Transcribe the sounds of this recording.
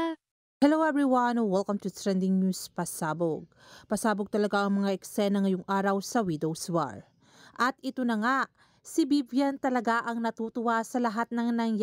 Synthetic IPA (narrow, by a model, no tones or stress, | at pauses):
hɛlowɛvɹiwɐnwɛlkɐmt̪ʊdsɹɛnd̪ɪŋnuspɐsaːboɡ̚pɐsaːboɡ̚t̪ɐlɐɡaʔɐŋmɐŋaʔɛksɛnɐŋːɐjoŋʔaːɾɐwsɐwid̪owswa̰ɹ | ʔɐt̪̚ɪt̪o̞nɐŋaʔ | sibibjɐnt̪ɐlɐɡaʔɐŋnɐt̪uːt̪ʊwasɐlɐɦat̪̚nɐŋnɐŋj